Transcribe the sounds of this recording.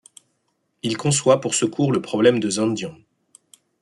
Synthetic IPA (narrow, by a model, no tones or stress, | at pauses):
ilkɔ̃swapuʁsəkʰuʁləpχɔblɛmd̪əzɛ̃nd̪jɔ̃